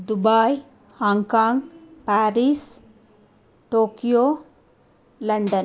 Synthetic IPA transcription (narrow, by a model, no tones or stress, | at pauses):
d̪ubaːj | hãːŋkaːŋɡpaːɾis | ʈoːkijoː | lɐɳɖən